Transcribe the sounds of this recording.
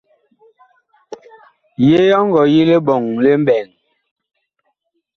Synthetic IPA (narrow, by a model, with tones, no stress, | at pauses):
je˦jɔ˦ŋ˦ɡɔ˨ji˦le˦ɓɔ˨ŋle˦m˦bɛ˨ŋ